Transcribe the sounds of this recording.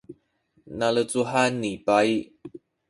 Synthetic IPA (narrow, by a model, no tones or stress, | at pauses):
nalət͡suɦanːipai